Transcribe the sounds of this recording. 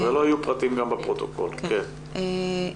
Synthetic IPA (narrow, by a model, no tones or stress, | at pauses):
velo̞ajupʁat̪imɡambepʁot̪o̞̰ko̰lkken